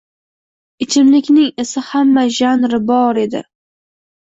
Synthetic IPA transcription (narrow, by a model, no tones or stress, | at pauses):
ɪt͡ʃʰɪmlɪkʲnɪŋɪsɪhamːaʒanɾɪbɒɾe̞d̪ɪ̰